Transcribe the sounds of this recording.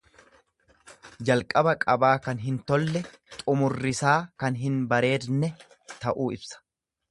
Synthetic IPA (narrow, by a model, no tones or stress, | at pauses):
d͡ʒɐlkʼɐbɐkʼɐbaːkɐnɦɪnt̪ɔlːɛ | t̪ʼʊmʊrːɪsaːkɐnɦɪnbɐɾe̞ːd̪nɛ | t̪ɐʔuːɪbsɐ̥